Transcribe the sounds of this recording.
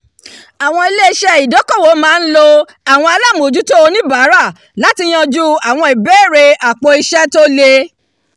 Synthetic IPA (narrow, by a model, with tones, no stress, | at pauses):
a˨w̃ɔ̃˧i˧le˦i˧ʃɛ˦i˨dɔ˨˦kɔ˦˨wo˨˦mãː˦n̩˦lo˦˧ | a˨w̃ɔ̃˧a˧la˦˨m˨o˨d͡ʒu˦to˦o˧nĩ˦ba˨˦ɾa˦˨ | la˦ti˧j̃ã˧d͡ʒu˦a˨w̃ɔ̃˧i˨bɛ˦˨ɾe˧ʔa˨k͡po˧i˧ʃɛ˦to˦le˧